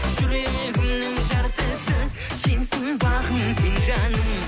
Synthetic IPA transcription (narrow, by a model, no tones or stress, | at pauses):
ʒ̥ʏɾe̞eɡʲɪmnɪŋʒɑɾt̪əsə | se̞nsɪŋbɑʁəmsenʒɑnəŋ